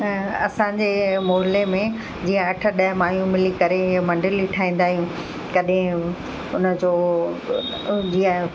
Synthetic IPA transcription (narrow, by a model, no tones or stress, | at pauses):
ɐsãːɲd͡ʑeːmoːɦɪlemẽ | d͡ʑiːə̃ɐʈʰə̆ɗɐɦmaːjũmɪlikɐɾeɪɦmɐ̃ɳɖəliʈʰaːĩːn̆d̪aːɦijũ | kɐɗɦɪ̃ | ʊnə̆d͡ʑoː | d͡ʑijə̃